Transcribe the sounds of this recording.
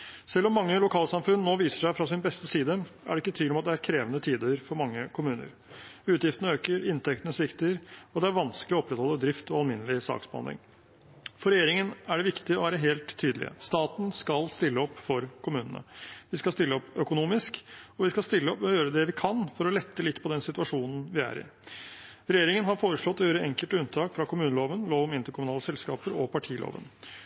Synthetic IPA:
sɛlːɔmːɑŋːəlʊkʰɑːlsɑmfʉnnoːʋiːsəʂæɪfɾɑsɪnbɛst̪əsiːd̪əæ̰ɖɛɪkːət̪ʰʋiːlɔmɑt̪̚d̪ɛæɾkʰɾeːʋənət̪ʰiːd̪əɾfɔɾmɑŋːəkʰʊmʉːnə̰ɾ | ʉːt̪jɪft̪ənəøːkəɾɪnt̪ʰɛkt̪ənəsʋɪkt̪ɪəɾɔd̪ɛæɾʋɑnsklɪɔɔpːɾɛt̪hɔlːəd̪ɾɪft̪ɔɑlmɪnːəlɪsɑ̰ːksbəɑ̰nɪ̰ŋ | fɔɾɛjeːɾɪŋənæɖɛʋɪkt̪ɪɔʋæːɾəɦeːlt̪ʰːyːd̪lɪ̰ə̰st̪ɑːt̪n̩skɑlst̪ɪlːəɔpːfɔɾkʰʊmʉːnənə̰ʋɪskɑlst̪ɪlːəɔpːœkʊnuːmɪskɔʋɪskɑlst̪ɪlːəɔpːɛɔjøːɾəd̪ɛʋɪkʰɑnfɔɾɔlɛt̪ːəlɪt̪ːpʰɔd̪ɛnsɪt̪ʉɑʂuːnn̩ʋɪæ̰ɾɪ̰ | ɾɛjeːɾɪŋənɦɑɾfoːɾəʂɭɔt̪ːɔjøːɾəɛŋkəlt̪əʉnt̪ʰɑːkfɾɑkʰʊmʉːnəloːʋənloːʋɔmɪnt̪əɾkʊmʉnɑːləsɛlskɑ̰ːpəɾɔpʰɑʈʰiːlo̰ːʋə̰n

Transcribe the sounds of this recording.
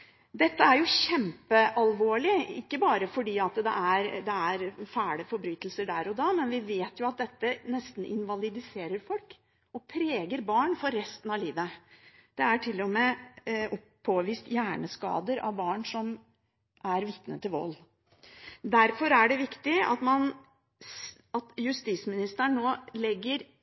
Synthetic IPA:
d̪ɛt̪ːəæɾjʊɕɛmpəʔɑlʋoːɭɪɪ̰kːəbɑːɾəfɔɖiːɑt̪d̪ɛ̰ʔæɾd̪ɛæɾfæːɽəfɔɾbɾyːt̪lsəɖæːɾɔd̪ɑːmɛnʋɪʋeːt̪jʊɑt̪̚d̪ɛt̪ːənɛst̪n̩ɪ̰nʋɑlɪd̪ɪseːɾəɾfɔlk | ɔpʰɾeːɡəɾbɑːɳfɔɾːɛst̪n̩ɑʋliːʋəd̪̥ɛæʈʰɪlːɔmɛʔɔpʰːɔʋiːst̪jæːɳəskɑ̰ːd̪əɾɑ̰ʋbɑːɳsɔm | ʔæɾʋɪt̪nə̰t̪ʰɪlʋɔ̰lː | d̪æɾfɔɾæɖɛʋɪkt̪ɪɑ̰t̪mɑn | ɑt̪jʉst̪iːsmɪnɪst̪əɳnoːlɛɡːəɾ

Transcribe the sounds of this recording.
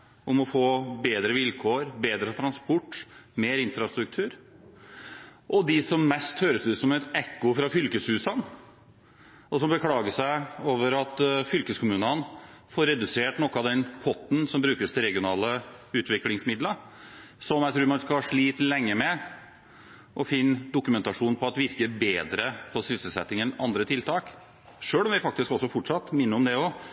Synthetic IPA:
ʔɔmɔfoːbeːd̪ɾəʋɪlkʰoːɾbeːd̪ɾət̪ʰɾɑnspɔʈːmeːɾɪnfɾɑst̪ɾʉk̚t̪ʰʉːɾ | ʔɔd̪ɪsɔmːɛst̪føːɾəsʉːsɔmɛt̪ɛkːʊfɾɑfʏlkəshʉːsɑn | ɔsɔmbəkʰlɑːɡəʂæɪoːʋəɾɑt̪fʏlkəskʰʊmʉːnənfɔɾɛd̪ʉseːʈnɔkːəɑʋd̪ɛnpʰɔt̪ːn̩sɔmbɾʉːkəst̪ʰɪlɾɛɡɪʊnɑːləʉːt̪ʋɪklɪŋsmɪd̪lə | sɔmmjæɪt̪ʰɾʉːɾmɑnskɑʂɭiːt̪əlɛŋːəmɛ | ʔɔfɪnːd̪ʊkʉmɛnt̪ɑʂuːnpʰɔɑt̪ʋɪɾkəbeːd̪ɾəpʰɔsʏsəlsɛ̰t̪ːɪŋɛnɑnd̪ɾət̪ʰɪlt̪ʰɑːk | ʂøːɽɔmʋɪfɑk̚t̪ɪskɔsːɔfʊʈʂɑt̪ːmɪnːəɔmd̪ɛɔ

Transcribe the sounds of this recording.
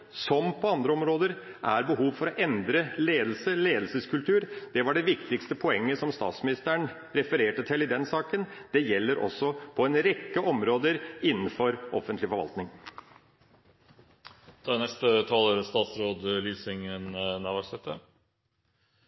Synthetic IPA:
sɔmpʰɔɑnd̪ɾəɔmɾoːd̪əɾ | ʔæɾbəɦuːʋfɔɾɔʔɛnd̪ɾəleːd̪l̩səleːd̪l̩səskʉlt̪ʰʉːɾd̪̥ɛʋɑɖɛʋɪkt̪ɪkst̪əpʰɔɛŋːəsɔmst̪ɑ̰ːt̪smɪnɪst̪əəɳ | ɾɛfəɾeːʈət̪ʰɪlɪd̪ɛnsɑːkənd̪̥ɛjɛlːəɾʔɔ̰sːɔpʰɔɛnɾɛkːəɔmɾoːd̪əɾɪnːn̩fɔɾʔɔ̰fːənt̪lɪfɔɾʋɑ̰lt̪nɪŋ | d̪̥ɑnɛst̪ət̪ʰɑloːɾəst̪ɑːt̪sɾoːd̪lyːsɪŋənnɑʋɑsɛt̪ə

